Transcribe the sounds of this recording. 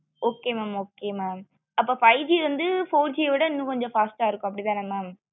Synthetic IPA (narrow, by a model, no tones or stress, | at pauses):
oːkːeːmaːmoːkːeːmaːm | ɐpːoːfɐɪd͡ʒiːɾɐnd̪ɯfoːɾd͡ʒiʋɪɽɐɪnːũkɔɲd͡ʒɔ̃faːsʈaːɪɾɯkːʊ̃ɐp̬ːɐɽit̪̬ãːnɐmːaːm